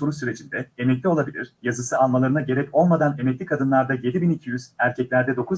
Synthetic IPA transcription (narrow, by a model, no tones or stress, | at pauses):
o̞ɾusyɾe̞d͡ʒind̪ɛe̞mɛclʲio̞lˠabilʲiɾ̥jazɯsɯalˠmalˠaɾɯnaɟe̞ɾɛco̞lˠmad̪ane̞mɛclʲikʰad̪ɯnlˠaɾd̪aje̞d̪ibinicʰijyz̥æɾcʰɛclʲæɾd̪ɛd̪o̞kʰuz